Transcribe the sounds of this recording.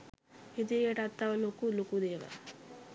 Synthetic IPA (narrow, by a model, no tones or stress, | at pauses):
id̪ijeʈat̪ːaʋɐlokulokud̪eːʋɐ̰